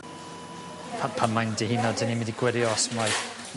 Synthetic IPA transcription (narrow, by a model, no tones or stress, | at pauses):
pʰapʰanmajndihɪnɔdənimɪ̃ndiɡwɪɾjɔsmaj